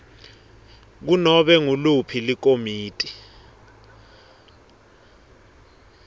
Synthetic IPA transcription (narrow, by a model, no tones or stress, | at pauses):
k̬unɔɓɛŋulupʰilik̬omiːtʼi